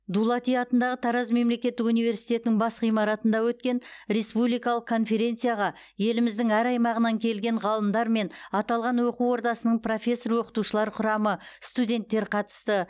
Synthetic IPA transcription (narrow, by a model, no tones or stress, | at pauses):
d̪ulˠɑt̪ijɑt̪ənd̪ɑʁət̪ʰɑɾɑzme̞mle̞kʲe̞t̪ːɪkunijvʲe̞ɾsijt̪e̞t̪nɪŋbɑsʁijmɑɾɑt̪ənd̪ɑwɵt̪̚kʲe̞nɾe̞spublijkɑlˠəqkʰːo̞nfe̞ɾʲe̞nt̪sɨjaʁɑ | je̞lɪmɪzd̪ɪŋæɾɑjmɑʁənɑŋkʲʰe̞lɡʲe̞ɴʁɑlˠəmd̪ɑɾme̞nɑt̪ɑlˠʁɑnwoquwo̞ɾt̪ɑsənəɴpro̞fʲe̞sːoɾwo̞qə̥t̪uʃəlˠɑɾqʰʊɾɑməst̪ud̪ʲe̞nt̪ːe̞ɾqʰɑt̪ə̥st̪ə